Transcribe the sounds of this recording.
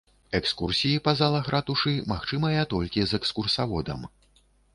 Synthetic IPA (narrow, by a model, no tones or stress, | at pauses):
ɛkskursʲijipɐzalˠɐxɾʔat̪uʂɨmaxt͡ʂɨmɐjɐt̪ɔlʲkʲizɛkskursavɔd̪ɐ̰m